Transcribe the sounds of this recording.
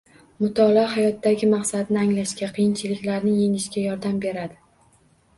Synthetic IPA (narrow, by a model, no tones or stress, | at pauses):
mʊt̪ʰɒlɦajɒt̪ːaɡʲɪmɑqsad̪ɪnɪaŋlaʃkʲaqʰɨjɪnt͡ʃʰɪlɪkʲlaɾnɪŋje̞ŋɪʃkʲajɒɾd̪ambe̞ɾad̪ɪ